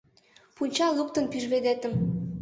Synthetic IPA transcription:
punʲt͡ɕɑlɤpt̪ɤ̆npiʒβed̪et̪ə̆m

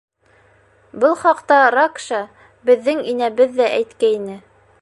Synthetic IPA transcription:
bɤlˠχɑqt̪ɑɾakʃɑ | bɘ̆ðːɘŋinæβɘðːæʔæjt̪kæinɘ

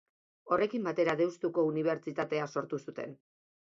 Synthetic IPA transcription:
o̞re̞kimbat̪e̞ɾaðe̞wst̪uko̞uniβ̞e̞ɾt͡ʃit̪at̪e̞aso̞ɾt̪usut̪e̞̰n

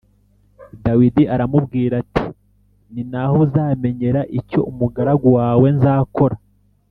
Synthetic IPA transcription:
dawidiaɾamubɡiːɾati | ninahozaːme̞ɲe̞ɾaʔico̞̰ʔumuɡaɾaɡowaːwe̞nzaːko̞ɾa

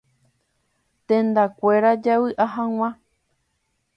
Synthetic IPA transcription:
t̪ẽnd̪akʷe̞ɾad͡ʒawɨʔaɦãw̃ã

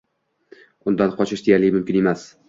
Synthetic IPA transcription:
ʊnd̪anqʰɒt͡ʃʰɪʃd̪ejaɾlɪmʊmkʲɪne̞mas

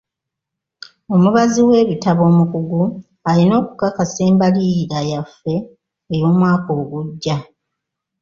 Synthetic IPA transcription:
o̞muβaziwe̞ːβitaβo̞ːmukuɡu | alino̞ːku̥kakase̞ːmbaliɾajafːe̞ː | jo̞ːmwaːko̞ːɡuɟːa

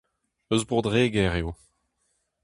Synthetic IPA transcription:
øzbʁod̪ʁeːɡɛʁeo

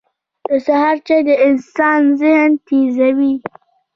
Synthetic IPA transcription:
d̪̥əsaɦɑɾt͡ʃed̪əʔɪnsɑnzɪhnt̪ezawi

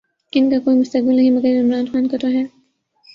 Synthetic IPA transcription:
ɪnkakoːimʊst̪ɐk̚bɪlnɐɦimɐɡəɾɪmɾɑːnxɑːnkɐt̪oɦɛ

